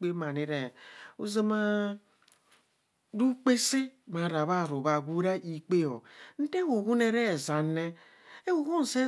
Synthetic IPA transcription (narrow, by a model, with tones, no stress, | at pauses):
k͡pe˦ma˨ni˦ɾe˨u˦ze˦ma˦ | ɾu˦k͡pe˦si˦ma˨ɾa˨βa˦˨ɾo˨βa˨ɡu˦ɾa˦ʔi˨k͡pe˦o̰˨n̩˦te˦ho˨hu˦ne˨ɾe˦˨za˨ne˦ | e˦wo˨ɣu˦n˨se˦